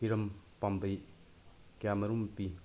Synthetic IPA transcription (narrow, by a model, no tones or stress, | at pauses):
iɾɐmpambɐj | kamɐɾumpi